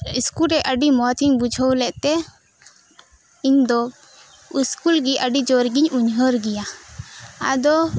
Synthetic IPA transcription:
iskulɾɛʔəɖimɔt̪ʰiɲbud͡ʒʱɔwlɛʔt̪ɛ | iɲd̪ɔ | iskulɡiʔəɖid͡ʒɔɾɡiɲuɲɦəɾɡɛja | ad̪ɔ

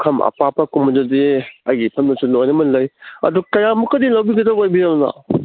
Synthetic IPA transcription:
kʰɐmʔɐ̰papʰɐkumɐnzɐzeɐjɡipʰɐmnɐsunojnɐmɐnlɐjɐ̰dukɐjamukɐdilɐwbiɡɐdaojbiɾɐbnɐ̰

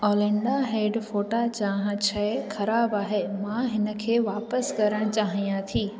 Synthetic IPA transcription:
oːlẽɳɖaɦeːɖfoːʈat͡ɕaːɦãt͡ɕʰɐxɐɾaːbaːɦeːmãɦɪnə̆kʰeːʋaːpəskɐɾəɽ̃t͡ɕaːɦijãt̪ʰiː

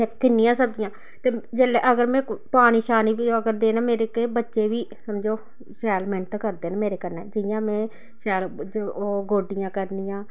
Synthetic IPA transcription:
ekɪnːɪjãːsəb̚d͡ʒɪjãː | t̪eːd͡ʒeːleːʔəɡəɾmɛ̃ːpaːɽ̃iːʃaːniːbid͡ʒoəɡəɾd̪eːnaːmeːɾeːkebətːʃeːʋiːsəmd͡ʒoː | ʃɛːlmɛ̃ːnt̪əkəɾd̪eːnːmeːɾeːkəɾnɛːd͡ʒɪjãːmɛ̃ː | ʃɛːlooːɡoːɖɪjãːkəɾnɪjãː

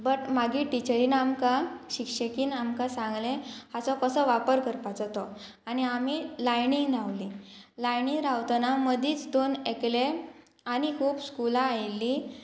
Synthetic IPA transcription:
bəʈmaɡiːʈit͡ɕəɾiːnamkaɕikɕəkiːnamkasãŋɡlẽhat͡sɔkəsəʋapəɾkəɾpat͡sat̪ɔ | aniamilajniŋɡnaʋlilajniŋɡɾawt̪naməd̪ʱiːt͡sd̪onekle | añikʰuːbskulaːjlːi

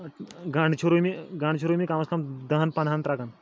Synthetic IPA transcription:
ɡaɳɖt͡ʃʰuɾumiɡaɳɖt͡ʃʰuɾumikamɐskamd̪əɦənpɐnʱant̪ɾaɡan

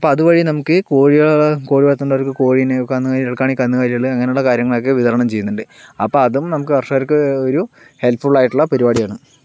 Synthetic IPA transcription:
ɐpːoɐðuʋɐɻinɐmukːɨko̞ːɻijɐko̞ːɻiʋɐt̪ːuɳɖaɾkːɨko̞ːɻinekɐnːukaːɾeɭkːaːɳikɐnːukaːɾiɐɭɨɐŋːɐne̞juɭːɐkaːɾjɐŋːɐɭo̞kːe̞ʋiðɐɾɐɳɐmt͡ɕe̞junːuɳɖɨɐpːoɐðumnɐmuk̬ːɨɐrʂaːɾkːɨoɾu | he̞lpʰfuɭaːjiʈːuɭːɐpɐɾibaːɽijaːɳɨ

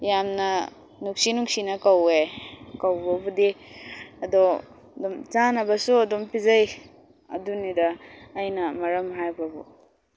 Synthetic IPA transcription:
jamnɐ | nuk̚sinuksinɐkawekawbɐbudi | ɐdɔ | dɔmt͡ʃanɐbɐsuɐdɔmpizaj | ɐ̰dunidaːjnɐmɐɾɐmɦajbabṵ

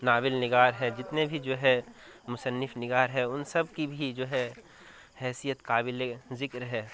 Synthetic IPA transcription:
naːbɪlnɪɡaːɾɦɛd͡ʒɪt̪nebʱid͡ʒoːɦɛ | mʊsənːɪfnɪɡaːɾɦɛʊnsɐbkibʱid͡ʒoːɦɛ | hɛːsijət̪kaːbɪlezɪkɾɦɛː

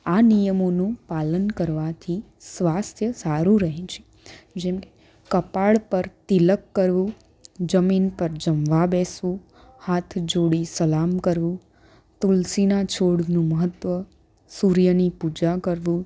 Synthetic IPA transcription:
anijəmonũpalənkəɾʋat̪ʰi | sʋast̪ʰjəsaɾũɾəɦẽt͡ʃʰe̥ | d͡ʒɛmke̥ | kəpaɭpəɾt̪iləkːəɾʋũ | d͡ʒəminpəɾd͡ʒəmʋabesʋũ | hat̪ʰd͡ʒoɽisəlamkəɾʋũ | t̪ulsinat͡ʃʰoɽnũməɦət̪ʋə | suɾjənipud͡ʒakəɾʋũ

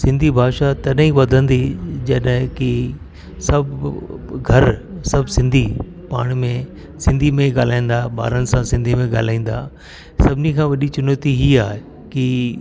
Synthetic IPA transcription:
sɪ̃nd̪ʱibʱaːʃat̪ɐɗɦĩʋɐd̪ʱə̃nd̪id͡ʑɐɗɦki | sɐbʱ | ɡʱɐɾsɐbʱsɪ̃nd̪ʱi | pa̰ːɽ̃mẽ | sɪ̃nd̪ʱimẽɡaːl̤aːĩn̆d̪aɓa̰ːɾənɪ̆sãsɪ̃nd̪ʱimẽɠaːl̤aːĩːn̆d̪a̰ː | sɐbʱɪnikʰãːʋɐɗit͡ɕʊnət̪iɦiːaːɦe | ki

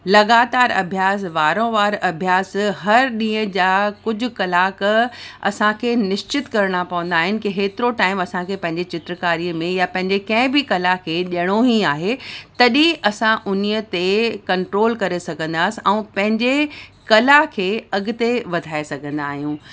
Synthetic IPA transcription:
lɐɣaːt̪aːɾɐ̰bʱjaːs̬ʋaːɾõʋaːɾɐbʱjaːsɦɐɾɗĩːə̃d͡ʑaːkʊd͡ʑʱʊ̆kɐlaːkɐ̰sãkʰeːnɪʃt͡ɕɪt̪kɐɾɽ̃apɐʋə̃nd̪aːɦɪnɪ̆kiɦeːt̪ɪɾoʈaːɪmɐsãkʰeːpɐ̃ɦɪ̃ɲd͡ʑet͡ɕɪt̪ɾəkaːɾiəmẽjapɐ̃ɦɪ̃ɲd͡ʑekɐ̃ɦɪ̃bɪkɐlakʰeːʄɐɽ̃oɦiaːɦet̪ɐɗĩʔɐsãʔʊnijət̪ekɐ̃ɳʈɾoːlkɐɾesɐɡʱə̃nd̪aːsɪɛ̃ːpɐ̃ɦɪ̃ɲd͡ʑekɐlakʰeːɐɡʊ̆t̪eʋɐd̪ʱaːesɐɡʱə̃nd̪aːɦijũː

